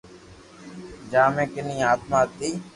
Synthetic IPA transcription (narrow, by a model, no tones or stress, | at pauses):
d͡ʒaːmẽːkɪnĩːaːt̪maːt̪ːiː